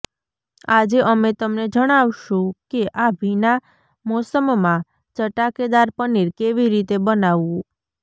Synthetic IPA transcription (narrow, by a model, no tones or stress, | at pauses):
ad͡ʒeʔəmet̪əmned͡ʒəɽ̃awʃũkeʔabʱina | mosəmmã | t͡ʃəʈaked̪aɾpəniɾkeʋiɾit̪ebənaʋũ